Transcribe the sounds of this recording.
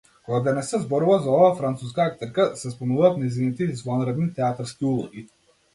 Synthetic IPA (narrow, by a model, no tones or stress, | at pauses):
kɔɡad̪ɛnɛsɛzbɔɾuvazaɔvaːfɾant̪suskaak̚t̪ɛɾkasɛspɔmnuvaːt̪nɛjzinit̪izvanɾɛd̪nit̪ɛat̪aɾskiulˠɔɡi